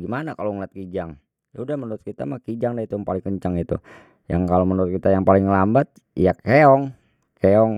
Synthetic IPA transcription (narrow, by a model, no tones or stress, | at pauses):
ɡimanakaloŋlat̪̚kid͡ʒaŋ | jaudahmənuɾʊt̪̚kit̪a̰mahkid͡ʒaŋdait̪ujaŋpalɪŋkəɲt͡ʃaŋit̪ṵ | jaŋkalomənuɾʊt̪̚kit̪ajaŋpalɪŋːəlambat̪̚ | jakeɔŋ | keɔŋ